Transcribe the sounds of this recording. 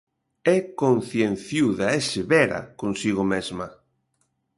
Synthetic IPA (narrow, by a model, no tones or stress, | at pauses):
ɛkonθjen̟θjuðaɛseβɛɾa̰konsiɣomezma